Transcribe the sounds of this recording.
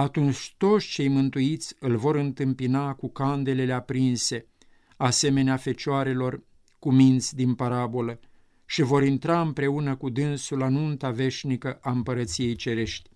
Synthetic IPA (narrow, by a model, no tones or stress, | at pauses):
at̪unt͡ʃʲt̪o̞t̪sʲt͡ʃe̞jmɨnt̪uit̪sʲɨlvo̞ɾɨnt̪ɨmpinakukand̪e̞le̞le̞apɾinse̞ | ase̞me̞neafe̞t͡ʃoaɾe̞lo̞r | kumint̪sʲd̪inpaɾabo̞lə | ʃivo̞ɾint̪ɾaɨmpɾe̞unəkud̪ɨnsulanunt̪ave̞ʃʲnikəʔaɨmpəɾət̪sije̞jt͡ʃe̞ɾe̞ʃt̪ʲ